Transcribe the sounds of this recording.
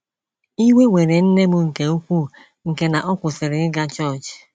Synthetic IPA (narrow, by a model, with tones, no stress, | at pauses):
i˦we˦we˨ɾe˨n̩˦ne˦mʊ˦ŋ̩˨ke˨u˦kʷu˦˨ | ŋ̩˨ke˨na˨ʔɔ˦kʷʊ˨sɪ˨ɾɪ˨ɪ˦ɡa˦t͡ʃɔ˦˨t͡ʃ